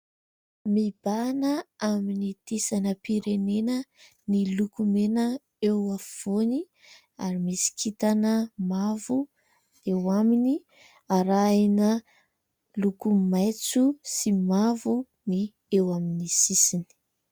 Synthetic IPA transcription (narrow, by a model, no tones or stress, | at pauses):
mib̥anəaminit̪isanəpiɾenenə | nilukumenə | ewav̥oni | a̰ɾimisi̥kʰit̪anəmavu | ewamini | aɾajnə | lukumajt͡susimavu | ni | ewaminisisini̥